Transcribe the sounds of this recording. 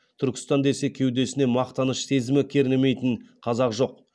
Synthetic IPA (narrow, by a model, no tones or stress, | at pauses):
t̪ʰʏɾkʲɪ̥st̪ɑnd̪e̞se̞kʲʰe̞wd̪e̞sɪne̞mɑqt̪ɑnəʃse̞zɪmɪkʲʰe̞ɾɪnɪme̞jt̪ɪɴqʰɑzɑqʒo̞q